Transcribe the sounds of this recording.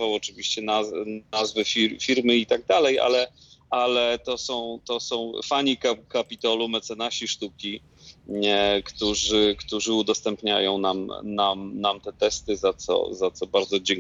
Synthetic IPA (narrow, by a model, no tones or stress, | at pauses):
vawɔt͡ʂɘvʲiɕt͡ɕɛnanazvɘfʲiɾfʲiɾmɘit̪aɡ̚d̪alɛjʔa̰lɛ | ʔalɛt̪ɔsɔ̃w̃t̪ɔsɔ̃w̰̃faɲikakapʲit̪ɔlumɛt̪sɛnaɕiʂt̪ukʲi | kt̪uʐɘkt̪uʐɘud̪ɔst̪ɛmpɲa̰jɔ̃w̃namnamnamt̪ɛt̪ɛst̪ɘzat̪sɔ̰zat̪sɔbaɾd̪zɔd͡ʑɛŋ